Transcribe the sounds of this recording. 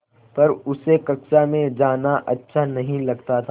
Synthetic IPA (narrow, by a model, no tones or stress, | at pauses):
pɐɾʊsekɐksamẽd͡ʒaːnaʔɐtːʃʰanɐɦĩlɐɡt̪at̪ʰa